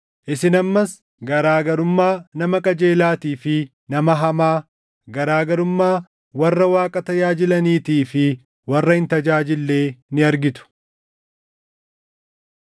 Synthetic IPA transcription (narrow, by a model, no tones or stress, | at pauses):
ʔɪsɪnɐmːɐs | ɡɐɾaːɡɐɾʊmːaːnɐmɐkʼɐd͡ʒe̞ːlaːt̪iːfɪ | nɐmɐɦɐmaː | ɡɐɾaːɡɐɾʊmːaː | wɐrːɐwaːkʼɐt̪ɐjaːd͡ʒɪlɐniːt̪iːfɪ | wɐrːɐhɪnt̪ɐd͡ʒaːd͡ʒɪlːeːnɪɐɾɡɪt̪ʊ̥